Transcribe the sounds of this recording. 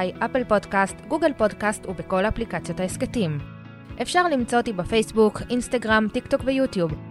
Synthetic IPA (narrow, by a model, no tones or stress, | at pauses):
jʔapelpo̞dkastɡuɡelpo̞dkast̪ubeko̞laplikat͡sjotaesketim | ʔe̞fʃaʁlimt͡so̞t̪ibefe̞jsbukinstaɡʁamt̪ikt̪o̞kvejutjub